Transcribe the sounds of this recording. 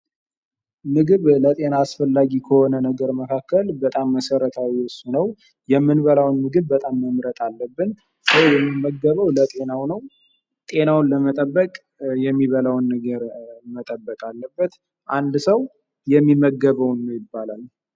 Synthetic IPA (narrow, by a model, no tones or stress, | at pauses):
nɨɡɨβlət̪ʼe̞naːsfəlːaɡikʰəhɔnənəɡəɾməkʰakːəlbət̪ʼamːəsəɾət̪ʰawiɨsunəw | jɛmːɨnβəlawnːɨɡɨβːət̪ʼamːəmɾət̪ʰʼalːəbːɨn | səwjɛmːimːəɡəβəwlət̪ʼe̞nawnəw | t̪ʼe̞nawnləmət̪ʼəbːəkʼ | jɛmːiβəlawnːəɡəɾmət̪ʼəbːəkʼalːəbːət̪ | ʔand̪səw | jɛmːiməɡːəβəwnːəwjɪbːalal